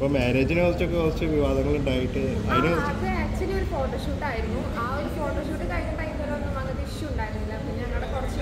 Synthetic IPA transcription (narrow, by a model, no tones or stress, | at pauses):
ɐpːoːmaːɾeːd͡ʑinekɐrt͡ɕːokːekorit͡ɕːɨʋiʋaːd̪ɐŋːɐɭuɳɖaːjiʈːɨɐjnoɐkeɐkt͡ɕːɐnio̞ɾufo̞ːʈːoːʂuːʈːaːjiɾunːu | aːoɾufo̞ːʈːoːʂuːʈːɨkɐːjinːuɳɖajnːolːɐɐnːɨmɐŋɐd̪iiʂjumuɳɖaːjiɾɐilːɐpːoɲaŋːɐɭuɽekurɐt͡ɕːɨ